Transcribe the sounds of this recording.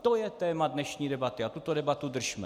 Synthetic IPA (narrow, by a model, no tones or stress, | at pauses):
t̪o̞jɛt̪ɛːmadnɛʃɲiːdɛbat̪ɪat̪ut̪odɛbat̪ud̪r̩ʒmɛ